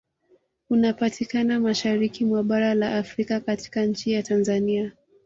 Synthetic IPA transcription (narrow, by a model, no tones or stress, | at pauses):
unapatʰikanamaʃaɾikimwaɓaɾalaʔːfɾikakati̥kaɲ̩t͡ʃijatanzania